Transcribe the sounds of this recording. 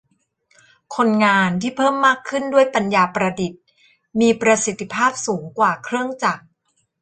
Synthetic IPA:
kʰo˧nŋaː˧nt̪ʰiː˥˩pʰɤː˥˩mːaː˥˩kʰːɯ˥˩ndu˥˩əjpa˧njaː˧pɾa˧di˨˩t̪̚ | miː˧pɾa˧si˨˩t̪ʰːi˧pʰaː˥˩p̚suː˩˦ŋkwaː˨˩kʰɾɯ˥˩əŋt͡ɕa˨˩k̚

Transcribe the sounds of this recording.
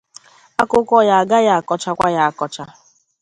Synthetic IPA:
a˦kʊ˦kʷɔ˦ja˨a˨ɡa˦ja˨a˨kɔ˨t͡ʃa˦kʷa˦ja˨a˨kɔ˨t͡ʃa˦

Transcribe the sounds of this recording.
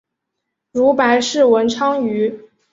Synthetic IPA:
ɻu˧˥pa˧˥ɪʂɻ̩˥˩wə˧˥nʈ͡ʂʰɑ˥ŋy˧˥

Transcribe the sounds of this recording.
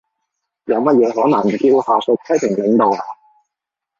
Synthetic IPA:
jɐ˨˧wmɐ˥t̚jɛː˨˧ɦɔː˨˥nɐ˨˩ŋm̩˨˩ki˧˥whaː˨˩sɵ˧t̪ʰɐ˥jp̪ʰɪ˨˩ŋlɪ˨˧ŋt̪o˨waː˧

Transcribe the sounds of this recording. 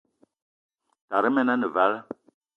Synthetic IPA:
ta˨ɾə˦mɛ˦na˦nə˨va˦l

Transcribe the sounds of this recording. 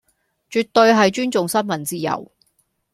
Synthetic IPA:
t͡ʃyː˨t̪ːɵ˧ɥɦɐ˨jt͡ʃyː˥nt͡sʊ˨ŋsɐ˥nmɐ˨˩nt͡siː˥jɐ̰˨˩w

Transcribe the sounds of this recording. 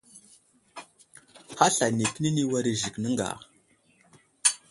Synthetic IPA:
ha˦ɬa˨ni˨pni˦ni˦wa˦ɾi˦ʒi˨knə˦ŋɡa̰˨

